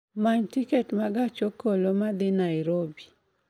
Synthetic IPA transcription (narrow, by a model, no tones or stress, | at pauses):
maɲtikɛtmaɡat͡ʃokolomad̪ɪnaɪɾobi